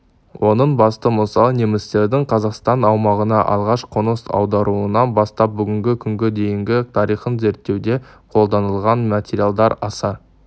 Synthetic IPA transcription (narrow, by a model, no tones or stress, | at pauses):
wʔo̞nəɴbɑst̪əməsɑnemɪst̪e̞ɾd̪ɪɴqʰɑzɑqst̪ɑnɑwmɑʁənɑʔɑ̰lˠʁɑʃqʰonəsɑ̰wd̪ɑɾuənɑnbɑst̪ɑp̚bʏɡʲɪŋɡʲɪkʲʰʏŋɡʲɪd̪e̞jɪŋɡʲɪt̪ʰɑɾijχənze̞ɾt̪ːe̞wd̪e̞ | qʰo̞lˠd̪ɑnəlˠʁɑnmat̪ʲeɾijalˠd̪ɑɾɑsɑɾ